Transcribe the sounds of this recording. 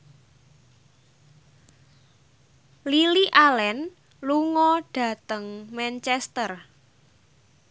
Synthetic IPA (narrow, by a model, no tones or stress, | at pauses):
liliʔalɛn | luŋɔɖ̥ä̤t̪əŋmɛnt͡ʃɛst̪ər